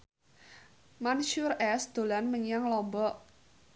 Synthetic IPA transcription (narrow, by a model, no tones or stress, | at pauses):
manʃurɛsd̪̥o̤lanməɲaŋlɔmbɔʔ